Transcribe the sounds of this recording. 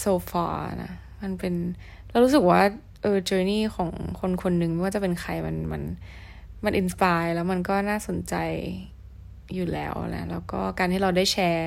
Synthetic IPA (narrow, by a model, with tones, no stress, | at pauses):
soː˧fa̰ː˦˥˧na̰˧˦˥ | ma˧npe˧n | lɛː˦˥wɾuː˦˥s̬ɯ˨˩k̚waː˥˩ | ʔɤː˧t͡ɕɤː˧niː˥˩kʰɔː˩˦ŋkʰo˧nkʰo˧nːɯ˨ŋma˥˩jwaː˥˩t͡ɕa˨˩pe˧nkʰa˧jma˧nma̰˧n | ma˧nʔi˧nspaː˧jlɛː˦˥wma˧nkɔː˥˩naː˥˩so˩˦nt͡ɕa˧j | uː˨˩lɛː˦˥wʔna̰˦˥lɛː˦˥wkɔː˥˩kaː˧nt̪ʰi˥˩ɾa˧wdaː˥˩jt͡ɕʰɛː˧